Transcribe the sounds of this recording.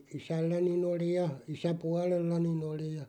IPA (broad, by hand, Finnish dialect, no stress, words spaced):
isælːænin oli jɑ isæpuɑlelːɑnin oli jɑ